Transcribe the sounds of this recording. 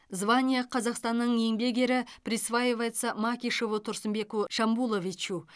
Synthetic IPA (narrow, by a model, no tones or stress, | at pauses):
zvanʲijaqʰɑzɑqst̪ɑnːəɴe̞ŋbe̞ɡʲe̞ɾɪprʲisvajevajt̪samakʲiʃovət̪ʰʊɾsəmbe̞kuʃɑmbulˠovit͡ʃu